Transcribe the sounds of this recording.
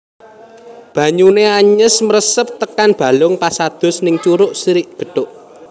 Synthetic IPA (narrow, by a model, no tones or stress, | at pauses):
b̥ä̤ɲuneaɲəsməɾəsəp̚t̪əkanb̥a̤lʊŋpasad̪̥ʊ̤snɪŋt͡ʃuɾʊʔsiɾɪʔɡ̥ə̤ɖ̥ʊʔ